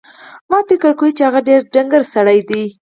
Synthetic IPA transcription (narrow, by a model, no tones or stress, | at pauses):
mɑpɪkəɾkowit͡ʃehaɣaɖeɾɖaŋɡəɾsaɽajd̪i